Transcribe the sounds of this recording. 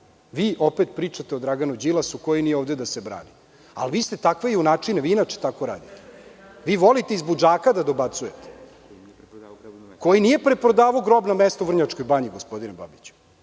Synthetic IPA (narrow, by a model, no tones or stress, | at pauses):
ʋiːʔo̞pet̪pɾiːt͡ʂat̪e̞od̪ɾaɡanud͡ʑilˠasuko̞jinijeoʋd̪ed̪asebɾa̰ːni | a̰lʋiːst̪et̪akʋe̞iunaːt͡ʂineʋiːinat͡ʃe̥t̪ako̞ɾa̰ːd̪it̪e̥ | ʋiːʋo̞lit̪e̞izbud͡ʒaːkad̪ad̪o̞bat̪suje̞t̪e̥ | ko̞jinije̞pɾepɾod̪aːʋoɡɾo̞bnamest̪ovr̩ɲat͡ʂkojbaɲiɡospo̞d̪ineba̰bit͡ɕu̥